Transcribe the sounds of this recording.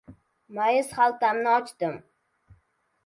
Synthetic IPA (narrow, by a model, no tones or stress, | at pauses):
majɪzχalˠt̪amnɪɒt͡ʃt̪ɪm